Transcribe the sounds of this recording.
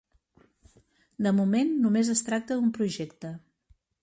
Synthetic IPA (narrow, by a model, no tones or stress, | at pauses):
d̪əmumenːumezəst̪ɾak̚t̪əd̪umpɾuʒɛkt̪ə